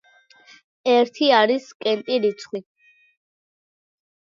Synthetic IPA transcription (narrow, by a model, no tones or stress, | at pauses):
ɛɾt̪ʰiaɾiskʼɛnt̪ʼiɾit̪sʰχwi